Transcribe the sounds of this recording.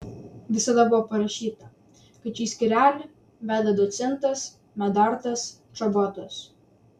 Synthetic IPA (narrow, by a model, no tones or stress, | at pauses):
ʋʲɪsɐd̪ɐbʊʋoːpɐɾɐʃʲiːt̪ɐ | kɐt̪t͡ʃʲiːsʲkʲɪɾʲæːlʲɪ | ʋʲæːd̪ʲɐd̪ɔt̪sʲɛnt̪ɐs | mʲɛd̪ɐɾt̪ɐs | t͡ʃɐbɔt̪os